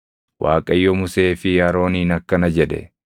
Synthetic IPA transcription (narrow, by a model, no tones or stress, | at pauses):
wʔaːkʼɐjːɔmʊse̞ːfɪjaːɾo̞ːniːnɐkːɐnɐd͡ʒɛd̪ɛ̰